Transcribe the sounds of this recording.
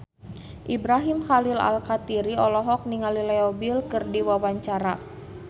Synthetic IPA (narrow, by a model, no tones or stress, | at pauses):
ʔibɾaɦimxalila̰lkat̪iɾiɔlɔɦɔk̚niŋalilɛɔbilkɨrdiwawaɲt͡ʃaɾa